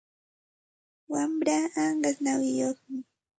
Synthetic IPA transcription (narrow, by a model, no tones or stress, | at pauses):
wamɾaaɴɢasnawɪjoχmɪ